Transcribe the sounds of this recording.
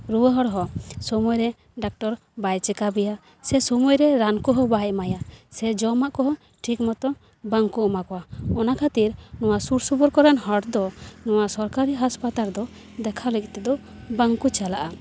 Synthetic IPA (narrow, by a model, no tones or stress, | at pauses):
ɾuwəɦɔɽɦɔsɔmɔjɾɛ | ɖak̚ʈɔɾ | bajt͡ʃɛkabɛja | sɛsɔmɔjɾɛɾankɔɦɔbajmajasɛd͡ʒɔmaʔkɔɦɔ | ʈʰikmɔt̪ɔ | baŋkuɔmakɔwaɔnakʰat̪iɾnɔwasuɾsubɔɾkɔɾɛnhɔɽd̪ɔnɔwasɔɾkaɾiɦaspat̪aɾd̪ɔ | d̪ɛkʰalɛk̚t̪ɛd̪ɔ | baŋkut͡ʃalaʔa